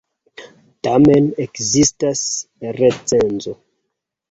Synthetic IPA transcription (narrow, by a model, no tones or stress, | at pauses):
tamenekzistasret͡senzo